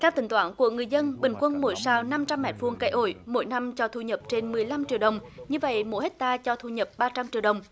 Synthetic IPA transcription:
t̪aɛ˧wt̪ï˧˩ŋ̟t̪waː˧˩nku˧˩əŋɨ˨˩əjzə˧nɓï˨˩ŋ̟kwə˧nmo̰˧˩˦jsaː˧wna˧mt͡ɕa˧mːɛ̰˨˩t̚fu˧əŋka˧˥jʔo̰˧˩jmo̰˧˥˦jna˧mt͡ɕɔ˧t̪ʰu˧ɲə˨˩p̚t͡ɕe˧nmɨ˨˩əjla˧mt͡ɕḭ˧˨əwɗə˨˩wŋ͡mɲɨ˧və̰˧˨jmo̰˧˥˦jhe˦˥t̚t̪aː˧t͡ɕɔ˧t̪ʰu˧ɲə˨˩p̚ɓaː˧t͡ɕa˧mt͡ɕi˧˨wɗə˨˩wŋ͡m

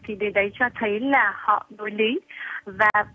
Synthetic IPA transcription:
t̪ʰi˨˩ɗe˨˦nɗə˨˦jt͡ɕɔ˧t̪ʰə˨˦jlaː˨˩hɔ̰˧˨no˨˦jli˨˦vaː˨˩

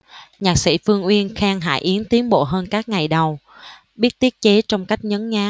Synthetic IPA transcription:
ɲaː˨˩k̚sḭ˧˩fɨ˧əŋʔwi˧ənxɛː˧ŋɦa̰ː˧˩jʔi˨˦ənt̪i˨˦ənɓo̰˧˨ɦəː˧nkaː˦˥k̚ŋa˨˩jɗə˨˩w | ɓi˦˥t̚t̪i˦˥ət̚t͡ɕe˨˦t͡ɕɔ˧wŋ͡mka˦˥jk̟̚ɲə˨˦nŋaː˨˦

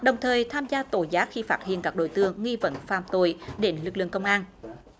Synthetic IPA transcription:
ɗə˨˩wŋ͡mt̪ʰəː˨˩jt̪ʰaː˧mzaː˧t̪o˧˩jzaː˦˥t̚xi˧faː˦˥t̚hḭ˧˨ənkaː˦˥k̚ɗo̰˧˩˨jt̪ɨ˧əŋːwi˧və̰˧˥nfaː˧˩mt̪o˧˨˩jɗe˨˦nlɨ˨˩k̚lɨ̰˧˨əŋkə˧wŋ͡mʔaː˧n

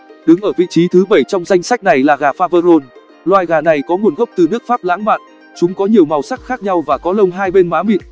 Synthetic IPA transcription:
ɗɨ˨˦ŋʔəː˧˩vḭ˧˨t͡ɕi˨˦t̪ʰɨ˨˦ɓə˧˩jt͡ɕɔ˧wŋ͡mza˧jŋ̟sa˦˥k̟̚na˨˩jlaː˨˩ɣaː˨˩faː˧vəː˧zo˧n | lwaː˧jɣaː˨˩na˨˩jkɔ˨˦ŋu˨˩ənɣə˦˥wp̚t̪ɨ˨˩nɨ˦˥ək̚faː˦˥p̚la̰ː˧˥ŋma̰ː˧˨n | t͡ɕʊ˨˦ŋ͡mkɔ˨˦ɲi˨˩əwma˨˩wsa˦˥k̚xaː˦˥k̚ɲa˧wvaː˨˩kɔ˨˦lə˧wŋ͡mɦaː˧jɓe˧nmaː˨˦mḭ˧˨n

